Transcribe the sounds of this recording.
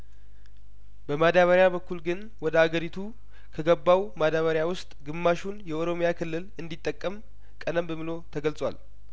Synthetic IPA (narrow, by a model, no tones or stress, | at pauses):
bəmad̪aβəɾjaβəkʰːulɡɨn | wɔd̪əaɡəɾit̪ʰu | kʰəɡəbːawmad̪aβəɾjawʊst̪ʼɡɨmːaʃunjɛʔoɾo̞mjakʰɨlːɨlɨnd̪it̪ʼːəkʼːəm | kʼənəmbəmɨlo̞t̪ʰəɡəlsʼwa̰l